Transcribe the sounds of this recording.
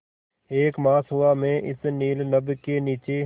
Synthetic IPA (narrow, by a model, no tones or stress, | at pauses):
eːkmaːsʊaːmẽːʔɪsniːlnəbkeːniːt͡ʃeː